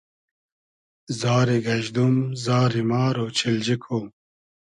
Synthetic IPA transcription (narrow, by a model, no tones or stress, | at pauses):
zaːɾiɡɐʑd̪umzaːɾimaːɾoːt͡ɕʰild͡ʑikʰoː